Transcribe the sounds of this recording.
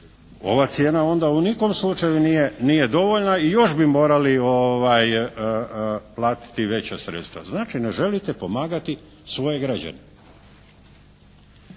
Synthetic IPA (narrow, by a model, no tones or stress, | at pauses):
o̞̰ʋat̪sje̞ːnao̞nd̪auniko̞mslˠut͡ʃajunijenije̞d̪o̞ʋoʎnaijo̞ʃbimo̞ːɾalioʋaj | plˠaːt̪i̥t̪iʋe̞t͡ɕasɾḛt̪st̪ʋa̰znaːt͡ʃineʒe̞lit̪epo̞maːɡat̪i | sʋo̞je̞ɡɾad͡ʑa̰ne